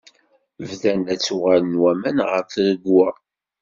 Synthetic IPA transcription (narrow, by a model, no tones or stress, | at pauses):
vðænæt͡sːuʁælənwæmænʁəɾfɾəɡwæ